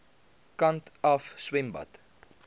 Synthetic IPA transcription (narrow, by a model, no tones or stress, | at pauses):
kɐntɐfswɛmbɐ̰t